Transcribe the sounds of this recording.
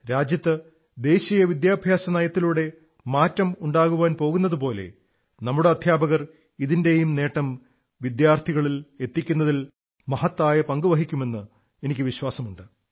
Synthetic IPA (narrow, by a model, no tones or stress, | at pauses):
ɾaːd͡ʑjɐt̪ːɨ | d̪e̞ːɕijɐʋid̪jaːbʱjaːsɐnɐjɐt̪ːiluɽe̞ | maːtːɐmuɳɖaːɣuʋaːnpo̞ːɣunːɐðupo̞ːle̞̰ | nɐmːuɽe̞ɐd̪ʱjaːbɐɣɐr | iðinde̞jumne̞ːʈːɐm | ʋid̪jaːrt̪ʰiɣɐɭile̞t̪ːikʲːunːɐðil | mɐɦɐt̪ːaːjɐpɐŋɡɨʋɐɦikʲːume̞nːɨ | enikʲːɨʋiɕwaːsɐmuɳɖɨ